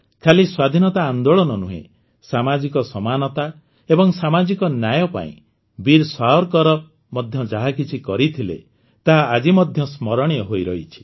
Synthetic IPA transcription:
kʰaliswad̪ʱinɔt̪aːnd̪oɭɔnɔnuɦḛ̃ | samad͡ʒikɔsɔmanɔt̪a | ebɔŋsamad͡ʒikɔnjajɔpa̰ḭ̃ | biɾsaɦɔɾkɔɾɔ | mɔd̪ʱjɔd͡ʒaɦakit͡ʃʰikɔɾit̪ʰilḛ | t̪aɦaad͡ʒimɔd̪ʱjɔsmɔɾɔɽ̃ijɔɦojɾɔɦit͡ʃʰi̥

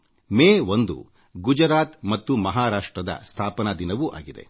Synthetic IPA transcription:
meːʋond̪ṵ | ɡud͡ʒɐɾaːt̪mɐt̪ːumɐɦaːɾaːʂʈɾɐd̪ɐ̰st̪ʰaːpɐnɐd̪inɐʋuʔa̰ːɡid̪e̞̰

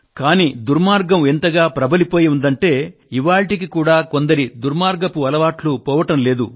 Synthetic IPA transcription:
kaːniːd̪uɾmaːɾɡɐme̞nt̪ɐɡaːpɾɐbɐlipo̞ːjiund̪ɐɳʈe̞ːiʋaːɭʈik̬ikuːɽaːko̞nd̪ɐɾid̪uɾmaːɾɡɐpuɐlɐʋaːʈlupɔːʋɐʈɐmle̞ːd̪u

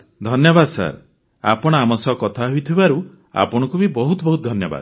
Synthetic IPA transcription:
d̪ʱɔnjɔbad̪sa̰ɾ | a̰pɔɽ̃ɔamɔsɔkɔt̪ʰaɦujt̪ʰibaɾu | a̰pɔɽ̃ɔ̃kubibɔɦut̪ɔbɔɦut̪ɔd̪ʱɔnjɔba̰d̪

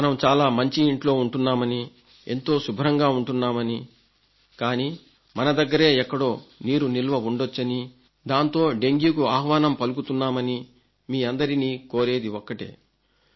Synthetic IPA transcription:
mɐnɐmt͡ʃaːlaːmɐɲt͡ʃiiɳʈlo̞ːuɳʈunːaːmɐni | e̞̰nt̪o̞ːsubʱɾɐŋɡaːuɳʈunːaːmɐni | kaːniː | mɐnɐd̪ɐɡːɐɾe̞ːɛkːɐɽo̞ːniːɾunilʋɐuɳɖot͡ʃːɐni | d̪aːnt̪o̞ːɖe̞ŋɡjukuaːɦʋaːnɐmpɐluɡut̪unːaːmɐni | miːɐnd̪ɐɾiniːkoːɾe̞ːd̪iɔkːɐʈḛː

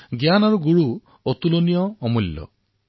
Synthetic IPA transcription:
ɡjanaɾuɡuɽu | ot̪ulonijɔːmuljɔ̰

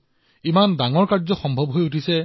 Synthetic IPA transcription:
imandaŋɔɹkaɹzɔxɔmbʱɔbɦojutʰisɛ

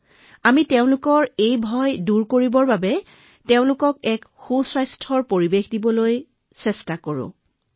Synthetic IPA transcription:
amitɛʊ̃lʊkɔɹejbʱɔjduɹkoɹibɔɹbabɛ | tɛʊ̃lʊkɔkɛkxuswajstʰɔɹpoɹibexdibɔloj | sɛstakoɹʊ̰̃

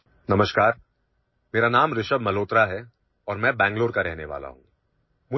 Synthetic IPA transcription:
nɐməʃkaːɾ | meːɾanaːmɾɪʃəbmɐloːt̪ɾaɦɛ | ɔːɾmɛ̃bɛ̃ːŋɡloːɾkaɾɛɦneʋa̰ːla̰ɦũːɡ | mʊ

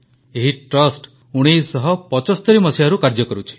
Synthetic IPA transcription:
eɦiʈɾɔsʈ | uɽ̃ijsɔɦɔpɔt͡ʃɔst̪ɔɾimɔsilaɾukaɾd͡ʒɔkɔɾut͡ʃʰi̥

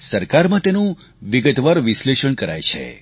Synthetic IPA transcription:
səɾkaɾmãt̪enũ | ʋiɡət̪ʋaɾʋisleʃəɳkəɾa̰jt͡ʃʰḛ

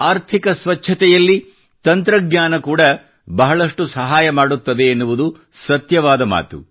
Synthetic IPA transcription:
aːɾt̪ʰikɐsʋɐt͡ʃːʰɐt̪ɛjɐlːi | t̪ɐnt̪ɾɐɡɲaːnɐkuːɽɐ | bɐɦɐɭɐʂʈusɐɦaːjɐmaːɽut̪ːɐd̪e̞ːnːuʋud̪u | sɐt̪jɐʋaːd̪ɐma̰ːt̪ṵ

